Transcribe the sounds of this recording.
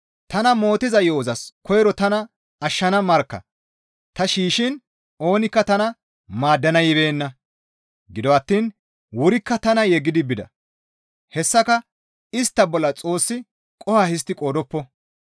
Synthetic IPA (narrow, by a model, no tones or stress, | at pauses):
t̪ɐnɐmo̞ːt̪ɪzɐjo̞ːzɐskʰɔjɾɔt̪ɐnɐ | ɐʃːɐnɐmɐɾkːɐ̰ | t̪ɐʃiːʃɪn | o̞ːnɪkːɐt̪ɐnɐ | maːd̪ːɐnɐjɪbe̞ːnːɐ | ɡɪd̪ɔɐt̪ːiːn | wʊɾɪkːɐt̪ɐnɐjɛɡːɪd̪ɪbɪd̪ɐ̰ | hɛsːɐkɐ | ɪst̪ːɐbɔlːɐt͡sʼo̞ːsːɪ | kʼɔhahɪs̬t̪ːɪkʼoːd̪ɔpːɔ